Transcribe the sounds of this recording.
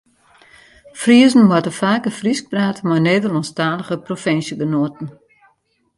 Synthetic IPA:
friəzn̩mɔtəfaːkəfrisk̚braːtmajneːdəlɔnstaːləɣəprofɪnsjəɡənoətn̩

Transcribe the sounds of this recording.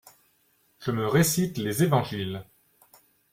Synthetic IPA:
ʒ̥əməʁesit̪lezevɑ̃ʒil

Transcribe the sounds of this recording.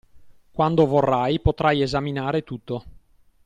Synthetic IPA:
kwand̪ovorːajpot̪ɾʔajezaminaːɾet̪ut̪ːo

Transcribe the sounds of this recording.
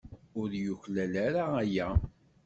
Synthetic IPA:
ʊɾjuçlælæɾaːjæ

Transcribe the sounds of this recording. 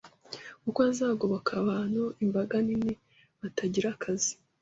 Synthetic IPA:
kukwazaːɡoβakʰaβaːnhuimbaɡanine | βataɟiɾakʰazi

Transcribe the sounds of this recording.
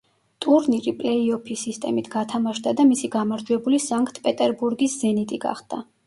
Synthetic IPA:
t̪ʼuɾniɾipʼlɛiɔpʰisist̪ʼɛmit̪ʰɡ̥at̪ʰamaʃd̪ad̪amisiɡamaɾd͡ʒwɛbulisaŋkʼt̪ʰpʼɛt̪ʼɛɾbuɾɡiszɛnit̪ʼiɡa̰χd̪̥a

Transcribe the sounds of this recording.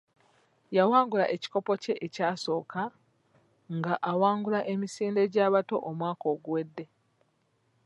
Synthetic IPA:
jawaːŋɡulaʔe̞ci̥ko̞po̞ce̞ʔecaːso̞ːka | ŋɡaʔawaːŋɡulaʔe̞misiːnde̞ɟaːβato̞ʔomwaːko̞ːɡuwe̞dːe̞

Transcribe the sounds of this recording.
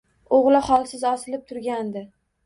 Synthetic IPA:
oʁlɪχɒlˠsɪzɒsɪlɪp̚t̪ʰʊɾɡʲand̪ɪ

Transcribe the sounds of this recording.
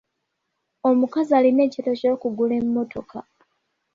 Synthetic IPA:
o̞mukazaːline̞ːcitoco̞ːkuɡule̞mumːo̞tʰo̞kʰa

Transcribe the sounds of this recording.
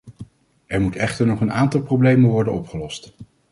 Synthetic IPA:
ʔɛɹmutɛχtəɹnɔχənaːntɑlˠprowblejmənʋɔɹdənɔpχəlɔst

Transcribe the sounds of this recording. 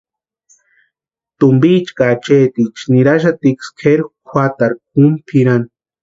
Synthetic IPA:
t̪umbit͡ʃkat͡ʃeːt̪it͡ʃniɾaʃ̬at̪ikskʰeɾkʷʰwʷat̪aɾk̚umpʰiɾan

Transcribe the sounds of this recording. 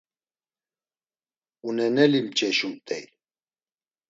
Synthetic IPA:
unɛnɛlimt͡ʃʼɛʃumt̪ʼɛj

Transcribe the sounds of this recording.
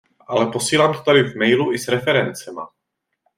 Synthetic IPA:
ʔalɛpo̞siːlaːmt̪ot̪adɪvmɛjluʔɪsɾɛfɛɾɛnt͡sɛma̰

